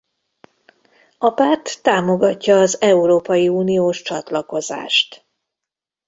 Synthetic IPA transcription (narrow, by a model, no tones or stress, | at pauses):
ɒpaːrt̪ːaːmo̞ɡɒcːɒːzɛuɾoːpɒjiuːnijoːʃt͡ʃɒt̪lɒko̞za̰ːʃt̪